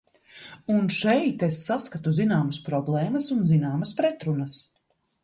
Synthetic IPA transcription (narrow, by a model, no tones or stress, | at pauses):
unʃɛjt̪esːaskat̪uzinaːmɐspɾɔblˠɛːmɐsunzinaːmɐspɾɛt̪ɾunɐs